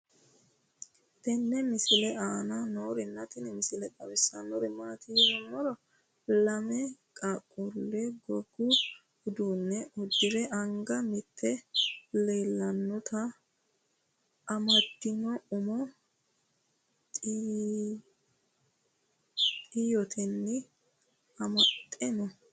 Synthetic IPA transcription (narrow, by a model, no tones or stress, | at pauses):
t̪ɛnːɛmɪsɪlɛʔaːnɐnoːɾɪnːɐt̪ɪnɛmɪsɪlɛdʼɐwɪsːanɔɾɪmat̪iːzɔmːɔɾɔ | lɐmɛkʼɐkʼːʊlːɛɡɔɡːʊ | hʊd̪uːnːɛʔɔd̪ɪɾɛʔɐŋɡɐmɪt̪ʰːɛleːlːɐnːɔt̪ɐ | ɐmɐt̪ːɪnɔʊmɔ | t̪ʼː | t̪ʼijɔt̪ʰɛnːɪ | ɐmɐt̪ʼːɛnɔ